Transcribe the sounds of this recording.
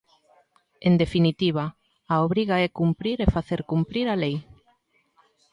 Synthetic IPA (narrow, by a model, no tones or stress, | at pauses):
end̪efinit̪iβ̞a | aoβɾiɣaɛkumpɾiɾefaθeɾkumpɾiɾalej